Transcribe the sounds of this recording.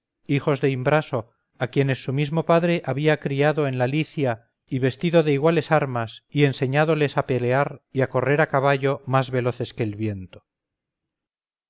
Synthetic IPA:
ixo̞zðe̞imbɾaso̞ | akje̞ne̞sːumizmo̞paðɾe̞ʔaβiakɾiaðo̞enlaliθja | iβe̞st̪iðoðe̞iɣwale̞saɾmasie̞nse̞ɲaðo̞le̞sape̞le̞aɾiako̞re̞ɾakaβaʝo̞mazβe̞lo̞θe̞ske̞ːlβje̞nt̪o

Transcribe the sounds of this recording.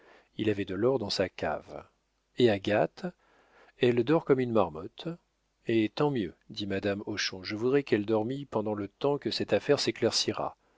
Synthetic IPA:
ilavɛd̪əlɔʁd̪ɑ̃sakʲa̰v | eaɡat̪ | ɛld̪ɔʁkɔmynmaʁmɔt̪ | et̪ɑ̃mjød̪imad̪amɔʃɔ̃ʒəvud̪ʁɛkɛld̪ɔʁmipɑ̃d̪ɑ̃lət̪ɑ̃kəsɛt̪afɛʁseklɛʁsiʁa̰

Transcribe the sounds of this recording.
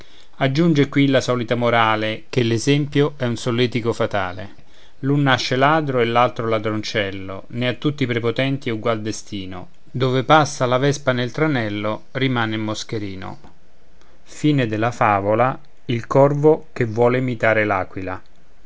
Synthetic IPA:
ad͡ʒːund͡ʒekwilasɔːlit̪amoɾaːlek̟elezɛmpjoɛunsolːɛːt̪ikofat̪a̰ːlḛ | lunːaʃːelaːd̪ɾoelːalt̪ɾolad̪ɾont͡ʃɛlːo̰ | nɪat̪ːut̪ːipɾepot̪ɛnt̪iɛuɡwald̪est̪iːno̰ | d̪oːvepasːalavɛspanelt̪ɾanɛlːorimaːneimːosk̟eɾiːno̰ | fiːned̪ɪlːafaːvola | ilkɔrvokevːwɔːleːmit̪aːɾela̰ːkwila

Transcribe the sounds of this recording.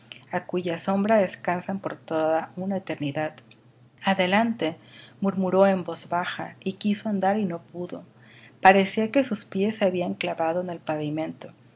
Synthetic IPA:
akuʝaso̞mbɾaðe̞skansampo̞ɾt̪oðaunaet̪e̞ɾniðað | aðe̞lant̪e̞muɾmuɾo̞e̞mbo̞zβaxa̰ikiso̞and̪aɾino̞puðo̞̰ | paɾe̞sioke̞suspje̞sːeaβiaŋklaβað̞oene̞lpaβimẽ̞nt̪o̞

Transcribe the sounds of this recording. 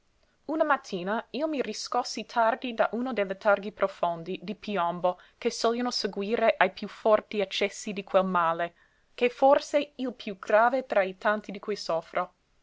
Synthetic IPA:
unamat̪ʰːiːnaiomiriskosːit̪ʰard̪id̪aʔuːnod̪elːet̪ʰarɡipɾofond̪id̪ipiɔmbo | kesɔljanoseɡwiːɾeʔajpjufɔrt̪iat͡ʃːɛsːid̪ikʰwelmaːle | keforseilpʰjuɡɾaːvet̪ɾait̪ant̪id̪ikujsɔfɾo

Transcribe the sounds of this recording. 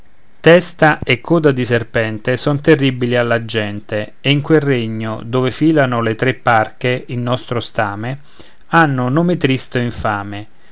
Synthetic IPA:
t̪ɛst̪aʔekʰːɔːd̪ad̪iserpɛnt̪esɔnt̪erːibilialːad͡ʒːɛnt̪eeiŋkwelreɲːo̰d̪oːvefiːlanʊlet̪ɾepːarkeilnɔst̪ɾost̪aːme | anːʊnoːmet̪ɾist̪oiɱfaːme

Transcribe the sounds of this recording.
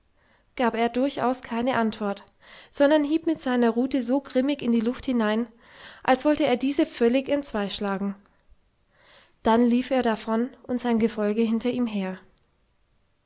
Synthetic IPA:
ɡ̥aːpeːɐdʊɐça̰ʊskʰaɪnəʔantv̥ɔɐt | z̥ɔndɐnhiːpmɪtz̥aɪnɐʁuːtəzoːɡʁɪmɪçɪndiːlʊfthɪnaɪn | ʔalsv̥ɔltəeːɐdiːzəfœlɪçɛntt͡sv̥aɪʃlaːɡŋ̩ | d̥anliːfeːɐdafɔnʔʊntz̥aɪnɡəfɔlɡəɦɪntɐʔiːmɦeːɐ

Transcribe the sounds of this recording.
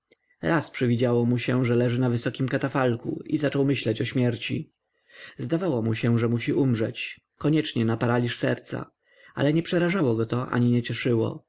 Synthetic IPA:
ɾaspʂɘvʲid͡ʑawɔmuɕɛʐɛlɛʐɘnavɘsɔkʲimkat̪afalkṵizat͡ʂɔwmɘɕlɛt͡ɕɔɕmʲjɛɾt͡ɕḭ | zd̪avawɔmuɕɛʐɛmuɕiʔumʐɛt͡ɕ | kɔɲɛt͡ʂɲɛnapaɾalʲiʂsɛ̰ɾt̪sa̰ | a̰lɛɲɛpʂɛɾaʐawɔɡɔt̪ɔʔa̰ɲiɲɛt͡ɕɛʂɘwɔ̰

